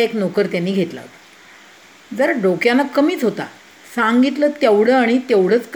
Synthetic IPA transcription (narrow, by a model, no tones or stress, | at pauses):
eknokəɾt̪janːiːɡʱet̪la̰t̪ | d͡zəɾaɖokjanːakəmiːt͡sɦot̪a̰ | saŋɡit̪ləːt̪jeʋɽəːaɽ̃it̪eʋɽ̤əːt͡sk